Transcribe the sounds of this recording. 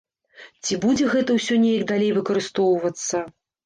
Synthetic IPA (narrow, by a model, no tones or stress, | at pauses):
t͡sʲibud͡zʲɛɣɛt̪ɐwsʲɔnʲejɐkd̪alʲejvɨkɐɾɨst̪ɔwvɐt̪sːɐ